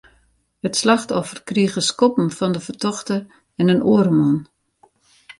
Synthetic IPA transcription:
hətslaxtɔfərkriɣəskɔpm̩fɔndəfərtɔxtə | ɛnənoəɾəmɔn

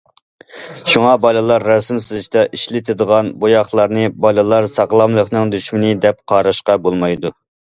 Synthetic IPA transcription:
ʃuŋɑbɑlˠɨlˠɑɾːɑsmsyzyʃt̪ɛʔiʃlɪt̪ʰɪd̪əʁɑnbojɑχlˠɑɾnɨbɑlˠɨlˠɑɾsɑqlˠɑmlˠəqnɨŋd̪yʃmɪnɪd̪ɛp̚qʰɑːɾɑʃqɑbolˠmɑjd̪u

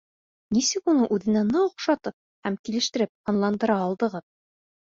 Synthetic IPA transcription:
nisɘkunɤʔʉðɘ̆nænɑoqʃɑt̪ɤp̚ | hæmkilɘ̆ʃt̪ɘ̆ɾɘp̚ɑnlˠɑnd̪ɤ̆ɾɑːlˠd̪ɤ̆ʁɤð

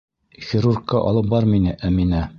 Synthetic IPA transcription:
xʲɪɾurkːɑʔɒ̰lˠɤp̚bɒɾminɘʔæminæ

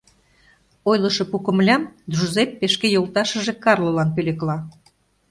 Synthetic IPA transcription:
ojlɤ̆ʃɤ̆pukə̆mlʲɑmd̪ʒuzepːeʃkejolˠt̪ɑʃə̆ʒekɑrlˠolɑnpølʲeklɑ

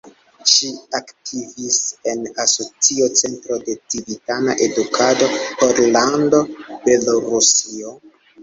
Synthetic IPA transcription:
ʃiaktʰivise̞naso̞t͡siot͡se̞ntɾode̞t͡sivitanaʔe̞dukʰado̞hoɾlando̞be̞loɾusio

